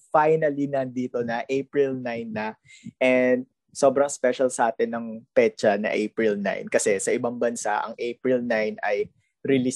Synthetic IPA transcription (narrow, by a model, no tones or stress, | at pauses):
fajnɐlinɐd̪iːt̪o̞nɐʔepɹɪlnajnːɐ | ʔɛnd̪̚ | so̞bɾɐŋspɛʃɐlsɐʔaːt̪ɪnːɐŋpɛt͡ʃɐnɐ̰ʔejpɹɪlna̰jnkɐsɛsɐʔɪbaŋbɐnsaʔɐ̰ŋʔejpɹɪlnajnɐj | ɾɪli